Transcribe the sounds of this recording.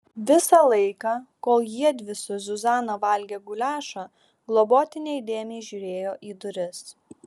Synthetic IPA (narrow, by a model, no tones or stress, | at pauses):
ʋʲɪsɑlˠɐɪkɑkoːlˠjiɛd̪ʲʋʲɪsʲʊzʲʊzɑːnoːʋɐlʲɡʲeːɡʊlʲæːʃɑ | ɡlˠɔboːt̪ʲɪnʲɛɪd̪ʲeːmʲɛɪʒʲuːɾʲeːjoːʔiːd̪ʊɾʲɪs